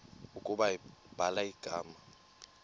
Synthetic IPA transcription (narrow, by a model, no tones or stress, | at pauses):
ukʼuɓaib̥ʱalaiɡ̥ʱa̰ːma